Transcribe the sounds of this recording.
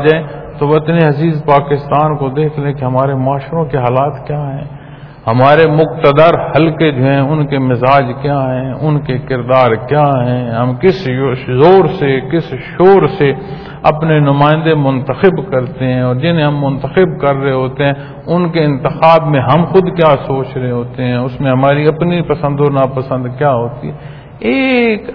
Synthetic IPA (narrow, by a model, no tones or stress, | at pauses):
d͡ʒaːẽt̪oʋɐt̪neɦɐziːzpaːkɪst̪aːnkod̪eːkʰlẽkeɦɐmaːɾemaːʃɾõkeɦaːlaːt̪kjaːɦɛ̃ː | hɐmaːɾemʊqt̪əd̪əɾhɐlked͡ʒoːɦɛ̃ʊnkemɪzaːd͡ʒkjaːɦɛ̃ʊnkekɪɾd̪aːɾkjaːɦɛ̃ːɦɐmkɪszoːɾsekɪsʃoːɾse | ɐ̰pnenʊmaːɪ̃nd̪emʊ̃nt̪əxɪbkɐɾt̪eɦɛ̃ɔːɾd͡ʒɪnẽɦɐmːʊnt̪əxɪbkɐɾːɐɦeɦoːt̪eɦɛ̃ | ʊnkeɪ̃nt̪ɪxaːbmẽɦɐmxʊd̪kjaːsoːt͡ʃɾɐɦeɦoːt̪eɦɛ̃ʊsmẽɦɐmaːɾiɐpnipɐsə̃nd̪onapɐsə̃nd̪kjaːɦoːt̪iɦɛ | eːk